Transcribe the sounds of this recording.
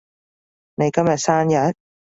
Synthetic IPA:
ne˨˧jkɐ˥mjɐ˨t̚saː˥njɐ˨˥t̚

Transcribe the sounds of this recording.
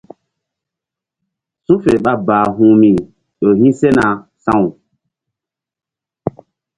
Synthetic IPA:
sũ˦fe˨ɓa˦baː˨ɦũ˦mĩ˨ | ɗo˨hĩ˦se˦na˨sã˦˨wu˨

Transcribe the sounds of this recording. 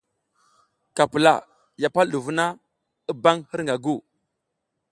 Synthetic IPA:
ka˨pə˨la̰˨ | ja˨pa˦lɗu˨vu˦na˦ | i˦ba˦ŋhi˦ɾŋɡa˨ɡu˦˨

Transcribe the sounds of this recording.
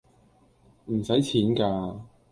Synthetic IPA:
m̩˨˩sɐ˨˥jt͡sʰiː˨˥nkaː˧

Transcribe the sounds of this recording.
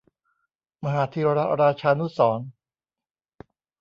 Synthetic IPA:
ma˧ɦaː˩˦t̪ʰiː˧ɾa˥ɾaː˧t͡ɕʰaː˧nu˦˥sɔː˩˦n

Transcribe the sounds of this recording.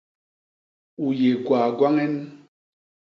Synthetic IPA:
u˨je˨ɡwaː˨ɡwa˦ŋɛ˦n

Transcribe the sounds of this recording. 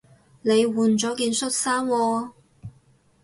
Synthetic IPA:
ne˨˧jwuː˨˩nt͡ʃɔː˨˥kiː˧nsɵ˥t̚saː˥mwɔː˧

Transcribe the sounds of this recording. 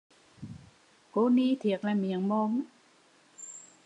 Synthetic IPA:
koː˧˥niː˧˥t̪ʰi˨˦ək̚la˧˩mi˨˦əŋmɔ˧˥ŋ

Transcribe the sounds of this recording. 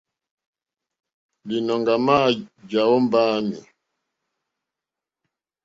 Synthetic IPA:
li˨nɔ˨ŋɡa˨ma˦˨d͡ʒa˨wɔ˦m˦baː˦mi˨

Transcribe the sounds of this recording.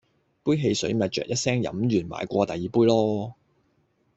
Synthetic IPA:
puː˥jɦe˧jsɵ˨˥ɥmɐ˨t̚t͡ʃœ̰ː˨kjɐ˥t̚sɛː˥ŋjɐ̰˨˥mɥyː˨˩nma̰ː˨˥jkʷɔː˧t̪ɐ˨jːiː˨puː˥jlɔː˥

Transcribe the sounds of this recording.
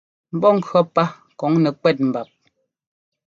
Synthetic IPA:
m̩˦bɔ˦˨ŋ̩˨kɰɔ˦pa˦ | kɔ˨˦ŋnɛ˨kwɛ˦˨t̚m̩˨ba˨p̚

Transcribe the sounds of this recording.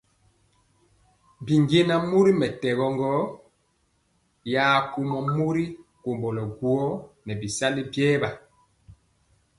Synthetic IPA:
bi˨ŋɡe˦na˦mu˦ɾi˦mɛ˨tɛ˨ɣɔ˨ŋɡɔ˦ | jaː˦ku˦mɔ˦mu˦ɾi˦ko˨mbɔ˨lɔ˨ɡu˨ɔ˦nɛ˨bi˨sa˦li˦bjɛː˦ba˨

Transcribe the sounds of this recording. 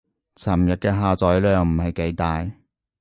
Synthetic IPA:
t͡sʰɐ˨˩mjɐ˨t̚kɛː˧ɦaː˨t͡sɔː˨˥jlœː˨ŋm̩˨˩hɐ˨jke˨˥jt̪aː˨j

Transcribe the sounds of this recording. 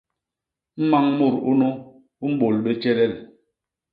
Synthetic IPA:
m̩˦ma˦ŋmu˦˨ɾu˦nɔ˦ | u˦m̩˦ɓo˨lɓe˦t͡ʃɛ˦ɾɛ˦li˨

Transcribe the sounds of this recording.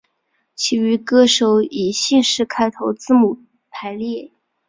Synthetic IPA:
t͡ɕʰi˧˥y˧˥kɤ˥˩ʂo˧˥ʊi˨˩ɕi˥˧ŋʂɻ̩˥˧kʰa˥ɪt̪ʰo˧˥ʊt͡sɹ̩˥˧mu˨˩ | pʰa˧˥ɪljɛ˥˩

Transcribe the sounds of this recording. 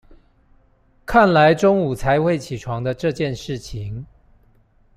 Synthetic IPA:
kʰa˥˩nla˨˦ɪʈ͡ʂʊ˥ŋu˨˩t͡sʰa˧˥ɪxwe˥˩ɪt͡ɕʰi˨˩ʈ͡ʂʰwɑ˧˥ŋd̪ə˧ʈ͡ʂɤ˥˧t͡ɕjɛ˥˧nʂɻ̩˥˩t͡ɕʰi˧˦ŋ

